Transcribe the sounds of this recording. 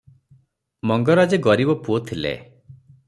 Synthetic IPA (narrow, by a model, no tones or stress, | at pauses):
mɔŋɡɔɾad͡ʒeɡɔɾibɔpuot̪ʰilḛ